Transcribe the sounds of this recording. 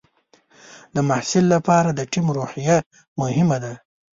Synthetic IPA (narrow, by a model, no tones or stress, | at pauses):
d̪əmahsɪlːapɑɾad̪əʈimɾohija | mʊhɪmad̪a